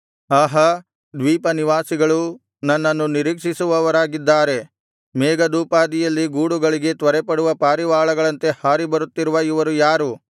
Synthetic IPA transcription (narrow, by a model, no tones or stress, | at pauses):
aːɦɐ | d̪ʋiːpɐniʋaːsiɡɐɭu | nɐnːɐnːuniɾiːkʂisuʋɐʋɐɾaːɡid̪ːaːɾe̞ | mɛːɡɐd̪uːpaːd̪ijɐlːiɡuːɽuɡɐɭiɡe̞t̪ʋɐɾɛpɐɽuʋɐpaːɾiʋaːɭɐɡɐɭɐnt̪e̞haːɾibɐɾut̪ːiɾuʋɐiʋɐɾujaːɾu